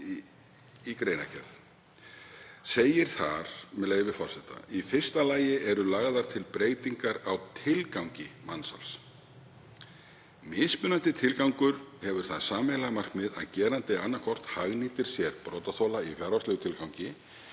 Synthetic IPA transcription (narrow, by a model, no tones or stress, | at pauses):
ikɾejna̰cʰɛɾð | seːjɪɾ̥θaɾ̥mɛleːjɪvɪfɔr̥sɛht̪a̰ifɪr̥st̪alaːjɪʔɛɾʏlaɣðaɾ̥t̪ʰɪlpɾeːɣt̪iŋkaɾawt̪ʰɪlkawŋcɪmansa̰ls | mɪːspʏnant̪ɪt̪ʰɪlkawŋkʏɾhɛvʏɾ̥θaðsaːmɛjlamar̥kmɪða̰ðcɛːɾant̪ɪanːakʰɔr̥t̪haɣniːt̪ɪɾ̥sjɛɾpɾɔːt̪aθowlaifjaɾvast̪ɛɣʏt̪ʰɪlkawŋcɪ